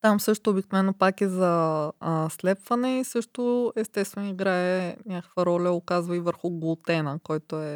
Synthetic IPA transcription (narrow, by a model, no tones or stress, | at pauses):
t̪amsɤʃt̪ʊːbiknovɛnːopakizɐəslɛpvɐnɛisɤʃt̪oɛst̪ɛst̪vɛniɡɾaɛnʲakə̥kvəɾɔlʲəokazvəivəɾxʊɡolˠt̪ɛnəkɔjt̪oɛ